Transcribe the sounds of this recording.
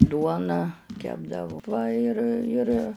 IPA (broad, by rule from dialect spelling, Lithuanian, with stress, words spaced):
ˈduɔnɑː ˈkʲæːbdɐʋʊ ˈʋɐ ɪr ɪr